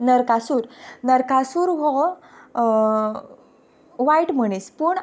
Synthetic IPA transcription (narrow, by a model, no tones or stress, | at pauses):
nəɾkasuːɾnəɾkasuːɾɦɔ | ʋaiʈm̤əɽ̃ispuːɳ